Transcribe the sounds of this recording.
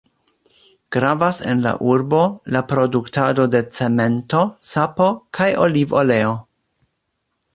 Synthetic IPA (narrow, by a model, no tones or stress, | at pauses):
ɡ̥ɾavasḛnla̰ʔuɾbo̞lapɾo̞duktado̞de̞t͡se̞me̞nto̞sapo̞kʰajolivole̞o